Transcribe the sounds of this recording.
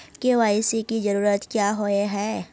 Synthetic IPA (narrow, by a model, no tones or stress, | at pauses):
keʋaːɪsikid͡ʒɐɾuːɾət̪kjaːɦoeɦɛː